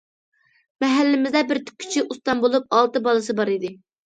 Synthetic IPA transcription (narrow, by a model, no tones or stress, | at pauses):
mɛɦælːɪmɪzd̪ɛbɪɾt̪ʰy̥kʲʰːy̥t͡ʃʰiʔust̪ɑnbolˠup̚ɑlˠt̪ɨbɑlˠɨsɨbɑɾid̪ɪ